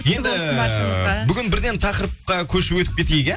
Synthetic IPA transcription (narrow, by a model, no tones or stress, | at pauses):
je̞nd̪ɪ | bʏɡʲɪnbɪɾd̪e̞nt̪ʰɑqəɾəp̚qɑkʲʰɵʃɪwɵt̪ɪp̚kʲe̞t̪ejɡʲe